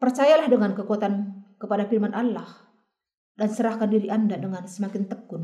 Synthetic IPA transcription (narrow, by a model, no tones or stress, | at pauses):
pərt͡ʃajalahdəŋankəkuat̪ankəpadafirmanʔalːah | dansəɾahkandiɾiʔandadəŋansəmakɪnt̪əkːʊn